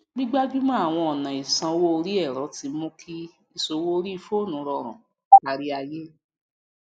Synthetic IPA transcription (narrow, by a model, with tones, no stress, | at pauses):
ɡ͡bi˦ɡ͡ba˦d͡ʒu˦mã˦a˦˨w̃ɔ̃˧ɔ˨nã˨i˨sã˧o˧wo˦o˧ɾi˦ɛ˦˨ɾɔ˨˦ti˧˦mũ˦kʰi˦ | i˧so˧˦wo˦ɾi˦i˧fo˦˨nũ˨˦ɾɔ˧ɾ̃ã̰˨ | a˨˧ɾi˦a˧je˦